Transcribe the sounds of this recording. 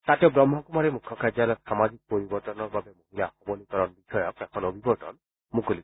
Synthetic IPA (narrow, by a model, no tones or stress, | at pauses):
t̪at̪eobɾɔmːɔkumaɾemukʰːɔkaɾd͡ʒalɔʃamad͡ʑik̚poɾibɔɾt̪ɔnɔɾbabemoɦilahɔbonikɔɾɔnbiʃɔjɔkɛkʰɔnobʱibɔɾʈɔ̰n | mukolik